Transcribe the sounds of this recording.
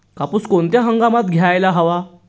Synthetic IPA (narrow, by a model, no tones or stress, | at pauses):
kapuːskoɳt̪jaɦəŋɡamat̪ɡʱjajlaɦəʋa